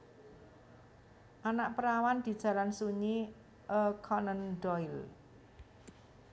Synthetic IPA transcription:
ʔanaʔpəɾawand̪̥i̤d̥ʒ̥ä̤lansuɲi | ʔəkʰɔnənɖɔil

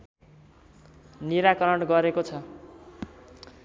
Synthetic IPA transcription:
niɾakʌɾʌɽɡʌɾekot͡sʰʌ

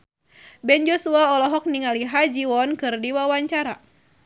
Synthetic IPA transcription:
bɛnd͡ʒɔsuaɔlɔɦɔk̚niŋaliɦad͡ʒiwɔnkɨrdiwawaɲt͡ʃaɾa̰

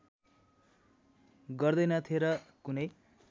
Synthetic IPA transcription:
ɡʌrd̪ʌjnʌt̪ʰieɾʌkunʌj

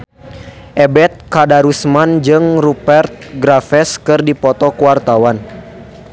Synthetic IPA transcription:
ʔɛbɛt̪̚kadaɾusmand͡ʒɨŋrupɛrt̪̚ɡɾafɛskɨrdipɔt̪ɔkuwart̪awan

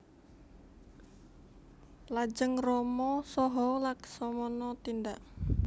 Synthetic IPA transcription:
lad͡ʒəŋrɔmɔsɔɦɔlaksɔmɔnɔt̪ind̪aʔ

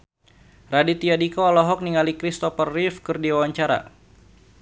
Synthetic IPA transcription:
radit̪iadikɔalɔɦɔk̚niŋalikɾist̪ɔfərːifkɨrdiwawaɲt͡ʃaɾa̰

